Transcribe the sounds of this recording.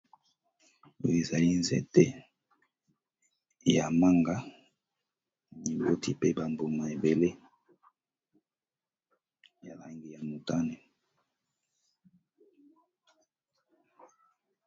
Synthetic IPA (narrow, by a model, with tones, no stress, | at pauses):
o˨e˨za˨li˦nzɛ̰˦te˦ | ja˨ma˦ŋɡa˦ | ni˨bo˦tʰi˦pe˦ba˨mbo˨ma˨e˨be˨le˦ | ja˨la˨ŋɡi˦ja˨mu˨ta˦ne˨